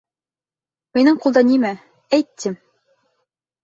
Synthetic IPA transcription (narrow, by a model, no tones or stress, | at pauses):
minɤɴqulˠd̪ɑnimæ | æjt̪ːɘm